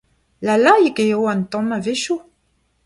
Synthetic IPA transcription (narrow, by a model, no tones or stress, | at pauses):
lalaikejowant̪ɔ̃maveʃu